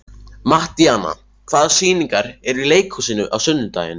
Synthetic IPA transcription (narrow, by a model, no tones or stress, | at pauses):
maht̪iaːna̰ | kʰθaðsiːniŋkaɾɛɾileːjkʰusiːnʏʔa̰wsʏnːʏt̪a̰ːjɪ̰n